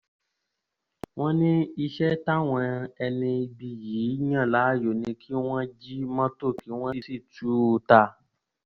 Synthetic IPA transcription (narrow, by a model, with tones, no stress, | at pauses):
w̃ɔ̃˦nĩ˦i˧ʃɛ˦ta˦w̃ɔ̃˧ɛ˧nĩ˧bi˧ji˨˦jã˦˨la˨˦˨jo˨nĩ˧kʰi˦w̃ɔ̃˦d͡ʒi˦mɔ̃˦to˦˨kʰi˨˦w̃ɔ̃˦i˦˨si˦˨tu˨˦˧ta˧